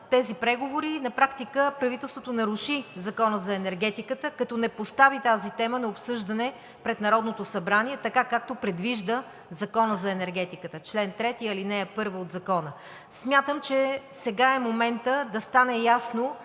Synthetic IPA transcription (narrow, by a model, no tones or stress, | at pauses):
t̪ɛzipɾɛɡovoɾinɐpɾakt̪ikəpɾɐvit̪ɛlˠst̪vot̪onɐɾuʃizɐkɔnəzɐɛnɛɾɡɛt̪ikət̪əkɐt̪ɔnɛpost̪avit̪azit̪ɛmənɐopsɤʒd̪ɐnɛ | pɾɛt̪nɐɾɔd̪not̪osɐbɾaniɛt̪ɐkakak̚t̪opɾɛd̪viʒd̪ə | zɐkɔnəzɐɛnɛɾɡɛt̪ikət̪ət͡ʃlɛnt̪ɾɛt̪iɐlinɛːpɤɾvəotd̪zɐkɔnə | smʲjat̪əmt͡ʃɛ | sɛɡaɛmomɛnt̪əd̪ɐst̪anɛjasno